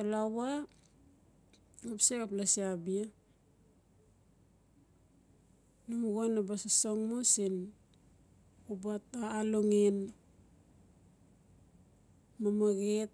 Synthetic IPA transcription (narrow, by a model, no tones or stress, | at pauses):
alawa | apsekaplasiabia | numɡonabasasoŋmusin | ubataːloŋin | mamaɡet̚